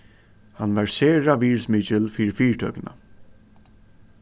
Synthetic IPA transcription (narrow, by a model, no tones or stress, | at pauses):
hanʋaɹseːɹaʋiːɹsmɪt͡ʃɪlfiːɾɪfiːɹʈ̪ʰœ̰ːkna̰